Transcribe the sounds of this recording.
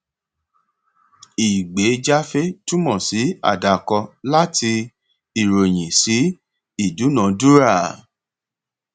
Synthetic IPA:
i˨ɡ͡be˨˦d͡ʒa˦fe˦tũ˦mɔ̃˨si˨˦a̰˦˨da˨kɔ˧la˦ti˧ | i˨ɾo˨j̃ĩ˨si˨˦ | i˦˨du˨˦nã˨˦du˦ɾa˦˨

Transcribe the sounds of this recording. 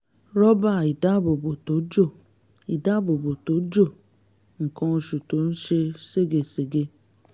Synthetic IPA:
ɾɔ˦ba˦˨i˨da˦˨bo˨bo˨to˨˦d͡ʒo˦˨ | i˨da˦bo˨bo˨to˨˦d͡ʒo˦˨ | ŋ̩˨kɔ̃˧o˧ʃu˨to˨˦n̩˦ʃe˧se˦˨ɡe˨se˨ɡe˧

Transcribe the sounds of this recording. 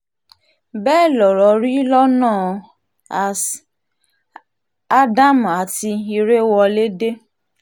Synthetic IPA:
bɛː˦˨lɔ˨ɾɔ˨ɾi˦lɔ˦nãː˦˨ | a˨s | a˦da˦m˨a˨ti˧i˧ɾe˦wɔ˧le˦de˦

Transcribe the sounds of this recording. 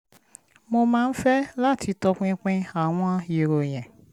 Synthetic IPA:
mo˧mãː˦n̩˦fɛ˦la˦˨tʰi˧tɔ˧k͡pĩ˧k͡pĩ˧a˨w̃ɔ̃˧˦a˧je˨ɾo˨j̃ɛ̃˨

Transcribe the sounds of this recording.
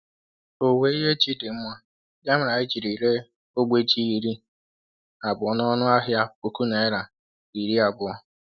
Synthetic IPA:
o˨we˦i˦ɦe˦t͡ʃi˦dɪ˨m̩˦mʷa˦ | da˦m̩˦ɾa˨i˦d͡ʒi˨ɾi˨ɾe˦ | o˦ɡ͡bʷe˦t͡ʃi˦i˨ɾi˦ | a˨bʊ˨ɔ˨˦nɔ˦nʊ˦a˦ɦja˦po˨ku˦na˨ɪ˦ɾa˨ | i˨ɾi˦a˨bʊ˨ɔ˦˨

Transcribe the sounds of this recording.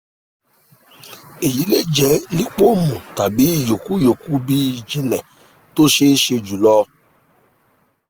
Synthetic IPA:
e˨ji˨˦le˦d͡ʒɛ˨˦li˦k͡po˦mũ˨ta˨bi˨˦˨jo˨ku˦jo˨ku˦bi˧˨d͡ʒi˧lɛ˨ | to˦ʃe˦ʃe˧d͡ʒu˨lɔː˧˦

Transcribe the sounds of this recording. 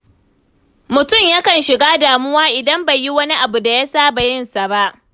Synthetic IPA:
mʊ˨tʊ˦˨mja˦kɐ˨nʃɪ˨ɡaː˦daː˨mʊ˦waː˦ʔɪ˨dɐ˦mba˨ji˦wɐ˦ni˦ʔa˨bu˨da˨ja˦saː˦ba˨jɪ˦nsa˨ba˦ʔ

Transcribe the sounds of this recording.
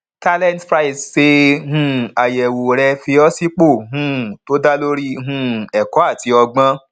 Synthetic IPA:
ta˦lɛ̃˦ntpɾa˦i˨sse˧hũ˦a˨jɛ˨wo˨ɾɛ˧fi˧ɔ˦si˦k͡po˦˨ɦũ˦to˦da˦lo˦ɾi˦ɦũ˦ɛ˨kɔ˨˦a˦˨ti˧˦ɔ˧ɡ͡bã˦

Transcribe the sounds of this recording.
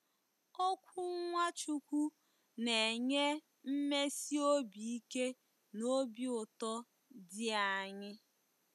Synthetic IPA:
o˦kʷu˦ŋʷa˦t͡ʃu˦kʷu˦ | ne˨ɲe˦ | m̩˦me˦si˦o˦bi˨i˦ke˦ | no˦bi˦ʊ˨tɔ˦ | dɪ˦a˨ɲɪ˦

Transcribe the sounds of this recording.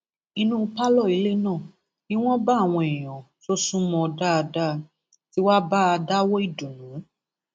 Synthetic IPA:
i˧nũ˦˧pa˦lɔ˦˨i˨˧le˦nãː˦˨ | nĩ˦w̃ɔ̃˦ba˦˨w̃ɔ̃˧e˨j̃ɔ̃˨ | so˦sũ˦mɔ̃˧ɔ˧da˦a˧da˦ | ti˦wa˦ba˦a˧da˦wɔ˦i˦˨du˨nũ˨˦

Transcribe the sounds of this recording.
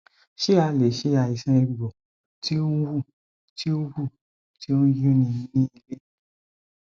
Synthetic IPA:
ʃe˦a˧le˨ʃe˨˧˦a˨i˨sã˧˦e˧˨ɡ͡bɔ˨ | ti˦õ˦wu˦˨ | ti˦o˦wu˦˨ | ti˦õ˦jo˦nĩ˧˦nĩ˦i˧le˦

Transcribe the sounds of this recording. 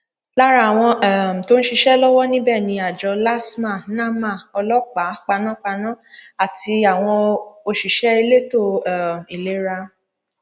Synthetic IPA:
la˦ɾa˧˨w̃ɔ̃˧ɛ˨m̩˨to˦ñ̩˦ʃi˧ʃɛ˦lɔ˦wɔ˦nĩ˦bɛ˦˨nĩ˧a˨d͡ʒɔ˧˦la˦smã˦˨nã˦˨mã˦˨ɔ˧lɔ˦k͡pa˨˦k͡pa˧nã˦k͡pa˧nã˦a˨ti˧a˨w̃ɔ̃˧o˧ʃi˨ʃɛ˦i˧le˦to˦˨ɛ˨m̩˨i˨le˨˦ɾa˧

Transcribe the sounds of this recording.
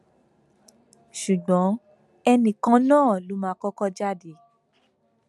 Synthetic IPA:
ʃu˨ɡ͡bɔ̃˨˦ | ɛ˧nĩ˨kã˦nãː˦˨lo˨˦mãː˨˦kɔ˦kɔ˧d͡ʒa˦de˨˦

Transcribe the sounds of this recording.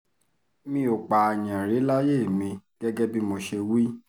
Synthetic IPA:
mĩ˧˦o˨k͡pa˨j̃ã˨ɾe˨˦la˦je˦˨mĩ˧ɡ̥ɛ˦ɡɛ˦bi˦mo˧ʃe˧wi˦

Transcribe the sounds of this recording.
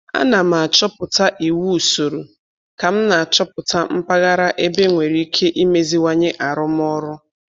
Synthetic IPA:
a̰˦na˨m̩˨a˨t͡ʃɔ˦pʊ˨ta˦ʔi˨wu˦u˨so˨ɾu˨ | ka˨m̩˦na˨a˨t͡ʃɔ˦pʊ˨ta˦m̩˦pa˦ɣa˦ɾa˦ʔe˦be˦ŋʷe˨ɾi˦i˦kʰe˦ʔi˦me˦zi˦wa˨ɲɪ˦ʔa˨ɾʊ˦m˦ɔ˦ɾʊ˦

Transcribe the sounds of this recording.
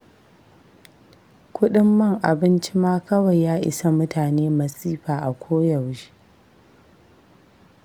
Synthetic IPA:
kʷʊ˦ɗɪ˦mːɐ˦˨ŋʔa˨bɪ˦nt͡ʃi˦maː˦kɐ˦wɐ˨jːaː˦ʔɪ̰˨sa˨mʊ˦taː˨neː˦mɐ˨sʼiː˦ɸaː˨ʔa˨kʷʰoː˦jɐ˨wʒi˦

